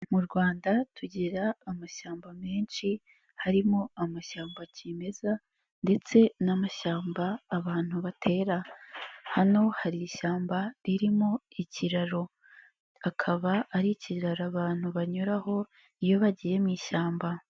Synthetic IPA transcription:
muɾɡwaːndatʰuɟiɾaːmaʃaːmbame̞ːnʃi | haɾimoamaʃaːmbacime̞za | nde̞t͡se̞namaʃaːmbaːβaːn̥huβatʰe̞ːɾa | hano̞haɾiiʃaːmbaɾiɾimoiciɾaɾo̞ | akʰaβaːɾiciɾaɾaβaːn̥huβaɲuɾaho̞ | ijo̞βaɟije̞mŋiːʃaːmba

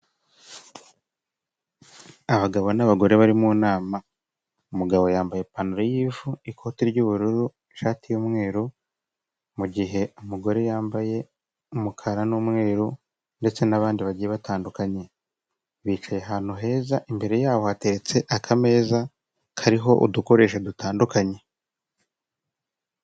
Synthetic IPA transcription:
aβaɡaβo̞naβaɡo̞ɾe̞βaɾimuːnaːma | umuɡaβo̞jaːmbaje̞panuɾejiːvuikʰo̞ːtiɾɟuːβuɾuɾu | ʃaːtijoːmŋe̞ːɾu | muɟiɦe̞umuɡo̞ɾe̞jaːmbaje̞ | umukʰaɾanumŋe̞ːɾu | nde̞t͡se̞naβaːndiβaɟijeβataːndukaɲe̞ | βiːt͡ʃaje̞ɦaːn̥uɦe̞ːzaʔimbe̞ɾe̞jaːβohate̞ɾe̞t͡se̞ʔakʰame̞ːza | kʰaɾiɦo̞ʔṵduko̞ɾe̞ːʃedutaːndukaɲe̞

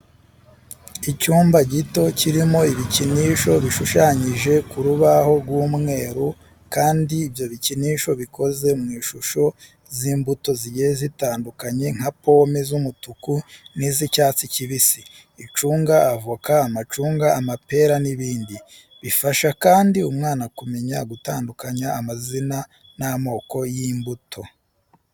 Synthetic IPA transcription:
icuːmbaɟito̞ciɾimo̞iβiciniʃo̞βiʃuʃaːɲiʒe̞kuɾuβaho̞ɾɡwuːmŋe̞ːɾu | kaːndiːvjo̞βiciniːʃo̞βiko̞ze̞mŋiːʃuʃo̞ | ziːmbuto̞ziɟejezitaːndukaɲe̞ŋ̥hapo̞mezumutukunizicaːt͡siciβisiː | t͡ʃuːŋɡaːvukaːmat͡ʃuːŋɡaːmape̞ɾaniβiːndi | βifaʃakaːndiumŋaːnakume̞ɲaɡutaːndukaɲaːmazina | namo̞ːko̞jimbutʰo̞

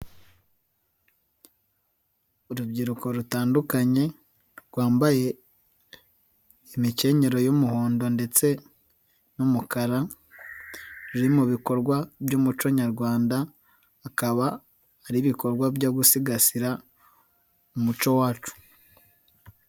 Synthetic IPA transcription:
uɾubɟiɾuko̞ɾutaːndukaɲe̞ | ɾɡwaːmbaje̞ | imice̞ɲe̞ɾo̞jumuhoːndo̞nde̞t͡se̞ | numukaɾa | ɾuɾimuβiko̞ɾɡwabjuːmut͡ʃo̞ɲaɾɡwaːndaː | kaβaː | ɾiβiko̞ɾɡwabɟoɡusiɡasiɾa | umut͡ʃo̞waːt͡ʃu̥

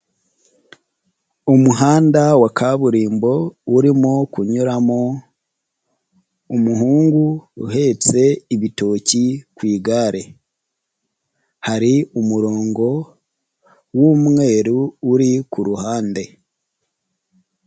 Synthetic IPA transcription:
umuɦaːndawakʰaβuɾiːmbo̞uɾimokuɲuɾamo | umuɦuːŋɡuṵhe̞t͡se̞iβito̞cikwiːɡaːɾe̞ | haɾiumuɾo̞ːŋɡo̞ | wumŋe̞ːɾuːɾikuɾuhaːnde̞

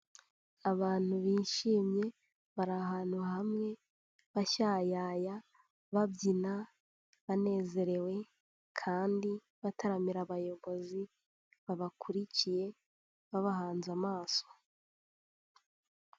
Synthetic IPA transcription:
aβaːn̥huβiʃiːmɲe̞ | βaɾaɦaːn̥huhamŋe̞ | βaʃajaja | βabɟina | βane̞ːze̞ɾe̞we̞ | kʰaːndi | βataɾamiɾaβajo̞βo̞zi | βaβakʰuɾicije̞ | βaβaɦaːnzamaːso̥

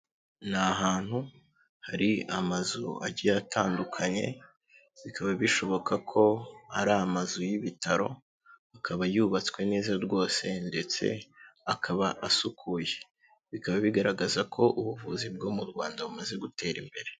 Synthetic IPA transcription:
n̥aɦaːn̥hu | haɾiamazua̰ɟiatʰaːndukʰaɲe̞̰ | βikʰaβaβiʃo̞βo̞kakʰo̞aɾamazujiβitaɾo̞̰ | akʰaβajuβat͡swe̞ne̞ːzaɾɡo̞ːse̞nde̞t͡se̞̰akʰaβaʔasukʰuːje̞ | βikaβaβiɡaɾaɡazakʰo̞ʔuβuvuzibɡo̞ːmuɾɡwaːndaβumaze̞ɡute̞ːɾimbe̞ɾe

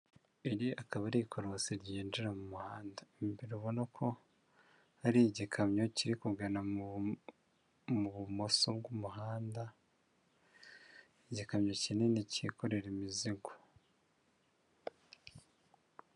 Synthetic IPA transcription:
iɾiakaβaɾikʰo̞ɾosiɾɟiːnd͡ʒiɾamumuhaːndaimibiɾiβo̞nakʰo̞ | haɾiɟikʰamɲo̞ciɾikuɡana | muβumo̞sobɡumuɦaːnda | eɟikamɲo̞cine̞nicikʰoɾe̞ɾimiziɡo̥

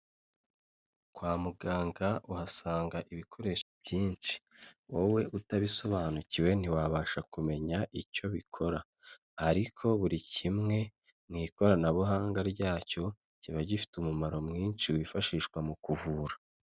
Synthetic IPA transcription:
kwaːmuɡaːŋɡaʔuhasaːŋɡaʔiβikʰo̞ɾe̞ʃobɟiːnt͡ʃi̥ | wowe̞ʔutaβiso̞βaːnuciwe̞n̥iwaβaːʃakume̞ɲaʔico̞βikʰo̞ɾaː | ɾikʰo̞βuɾicimŋe̞ | mŋiːko̞ɾanaβuɦaːŋɡaɾɟaːco̞ | ciβaɟifi̥tumumaɾo̞mŋiːnʃiwifaʃiʃkwamukuvuːɾa

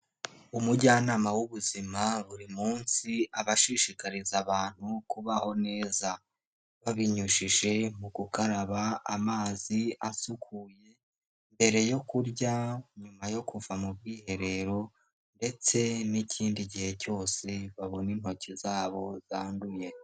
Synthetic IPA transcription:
umuɟaːnaːmawuβuzimaβuɾimuːnsiaβaʃiʃikaɾizaβaːn̥hukuβaho̞ne̞ːza | βaβiɲuʃiʒe̞muɡukaɾaβaːmaːziasukʰuje̞ | mbe̞ɾe̞jo̞kuɾɟaɲumajo̞kuvamub̚ɡiːhe̞ɾe̞ɾo̞ | nde̞t͡se̞nicʰiːndiɟihe̞co̞ːse̞βaβo̞nin̥ho̞cizaːβo̞zaːnduje̞

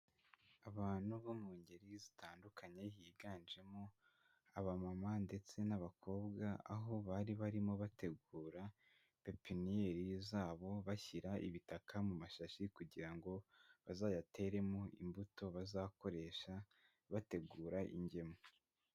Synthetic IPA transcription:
aβaːn̥huβomuːɲɟe̞ɾizitaːndukʰaɲe̞jiːɡaːnd͡ʒe̞mo | aβamamande̞t͡se̞naβakʰo̞ːbɡaa̰ɦo̞βaɾiβaɾimoβate̞ɡuːɾa | pe̞pinijeɾizaːβo̞βaçiɾaʔḭβitakamumaʃaʃikuɟiɾaŋɡo̞βazaːjatʰe̞ɾe̞moḭmbuto̞βazako̞ɾe̞ʃa | βate̞ɡuːɾaʔḭɲɟe̞mo

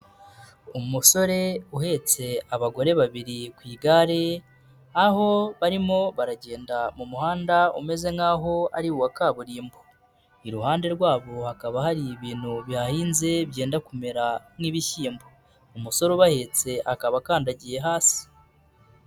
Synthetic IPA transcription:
umuso̞ɾe̞uhe̞t͡se̞aβaɡo̞ɾe̞βaβiɾikwiːɡaɾe̞ | aho̞βaɾimo̞βaɾaɟe̞ːndamumuhaːndaṵme̞ze̞ŋaːɦo̞a̰ɾiwakaːβuɾiːmbo | iɾuhaːnde̞ɾɡwaːβo̞hakaβahaɾiβiːn̥huβihahiːnzeβɟe̞ːndakume̞ɾamŋiːβiçiːmbo | umuso̞ɾuβahe̞t͡se̞ʔakaβakaːndaɟije̞ɦaːsi̥

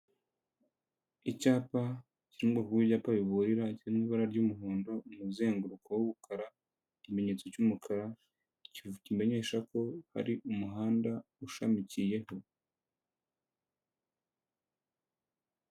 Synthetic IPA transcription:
icaːpa | ciɾimɡokuwiβɟaːpaβiβuɾiɾaciɾimiβaɾaɾɟuːmuɦoːndo̞umuze̞ːŋɡuɾukʰowuβukʰaɾa | cime̞ɲe̞t͡so̞cumukʰaɾa | cicime̞ɲe̞ːʃako̞ha̰ɾiʔumuɦaːndauʃamicije̞ho̞

